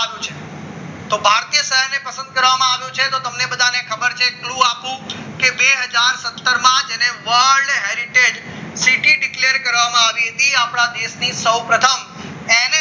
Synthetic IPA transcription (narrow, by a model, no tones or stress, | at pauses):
aʋjũt͡ʃʰe | t̪obʱaɾt̪ijəsəɦəɾnepəsə̃nd̪̚kəɾʋamãaʋjũt͡ʃʰet̪ot̪əmnebəd̪ʱanekʰəbəɾt͡ʃʰekluapũkebeɦəd͡ʒaɾsət̪ːəɾmãd͡ʒeneʋəɾɾɖɦeɾiʈed͡ʒsiʈiɖɪkleɾkəɾʋamãaʋiɦət̪iapɳ̃ad̪eʃnisəwpɾət̪ʰəm | ene